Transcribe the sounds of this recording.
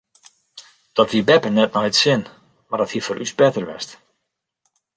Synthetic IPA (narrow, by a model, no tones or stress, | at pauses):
d̥ɔtʋibɛpənɛtnɔjtsɪn | mardɔthifɔɾʔysbɛtərʋɛ̰st